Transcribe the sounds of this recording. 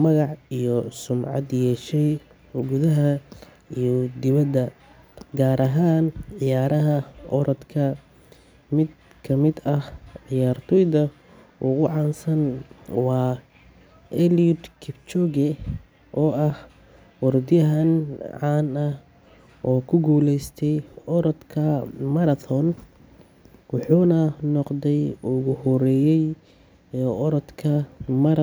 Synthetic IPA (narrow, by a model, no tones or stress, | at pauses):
mɐɣɑʕijɔsʊmʕɑ̰d̪jɛːʃɛj | ʊɣʊðɐɦɐ | ijɔd̪ɪβɐd̪ɐ | ɡaːɾɐɦaːnʕɪjaːɾɐɦɐʔɔɾɐd̪kʰɐ | mɪd̪ | kʰɐmɪd̪ɐhʕɪjaːrt̪ʰɔjðɐ | ʔʊ̰ɣʊʕɑːnsɐnwɑː | ɛliʊd̪kʰɪbt͡ʃɔɡɛ | ʔɔːɐh | wɔrd̪ɪjɐɦɐnʕɑːnɐh | ʔɔːkʰʊɡuːlɛjst̪ʰɛjɔɾɔd̪kʰɐmɐɾɐtʰɔn | wɑħuːnɐnɔqd̪ɛjʊɣʊhɔɾɛːjɛjː | ʔɔɾɔd̪kʰɐmɐɾɐ